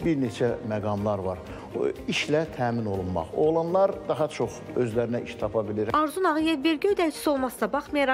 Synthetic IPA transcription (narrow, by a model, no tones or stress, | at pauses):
biɾne̞t͡ʃʰæmæɡɑmlˠɑɾvɑɾ | iʃlæt̪ʰæːmino̞lˠunmɑ̰χolˠɑnlˠɑɾd̪ɑɦɑt͡ʃʰo̞χø̞zlæɾinæʔiʃt̪ʰɑpʰɑbiliɾɑɾzunɑʁɯjed̪ve̞ɾɟiød̪ælt͡ʃʰi̥sio̞lˠmɑsɯd̪ɑbɑχmɑjɑɾɑ